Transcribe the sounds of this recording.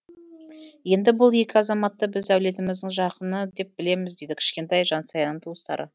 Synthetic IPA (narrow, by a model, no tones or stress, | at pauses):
je̞nd̪ɪbʊlˠje̞kʲɪɑzɑmɑt̪ːəbɪzæwle̞t̪ɪmɪzd̪ɪŋʒɑqənəd̪e̞p̚b̥ɪle̞mɪzd̪e̞jd̪ɪkʲʰɪ̥ʃkʲe̞nt̪ɑjʒɑnsɑjɑnːəɴt̪ʰuəst̪ɑ̰ɾʔə̰